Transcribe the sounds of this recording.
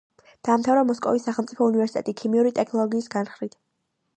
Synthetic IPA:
d̪̥aːmt̪ʰavɾamɔskʼɔ̰visːaχɛlˠmt̪sʼipʰɔunivɛɾsit̪ɛt̪ʼikʰimiuɾit̪ʼɛkʰnɔlˠɔɡiːsɡanχɾit̪

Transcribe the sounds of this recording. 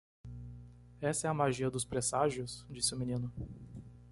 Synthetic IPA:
ɛsɐɛɐmaʒiɐd̪ʊspɾesaʒjʊsd͡ʒisɪʊminĩnʊ

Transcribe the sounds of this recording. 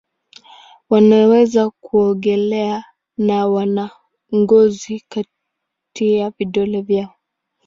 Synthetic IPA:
wanawɛzakuɔɡɛlɛa | nawana | ŋɡɔzika | tiaviɗɔlɛvjaɔ

